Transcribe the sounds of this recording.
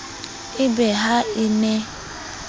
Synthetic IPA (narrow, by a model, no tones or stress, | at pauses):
ibeɦaine